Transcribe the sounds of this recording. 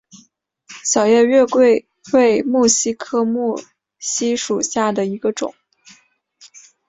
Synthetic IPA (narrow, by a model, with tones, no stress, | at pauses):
ɕjɑ˨˩ʊjɛ˥˧ɥɛ˥˧kwe˥˩ɪ | we˥˧ɪmu˥˩ɕi˥kʰɤ˥mu˥˩ | ɕi˥ʂu˨˩ɕja˥˩d̪ə˩i˧˥ɡə˧ʈ͡ʂʊ̰˨˩˦ŋ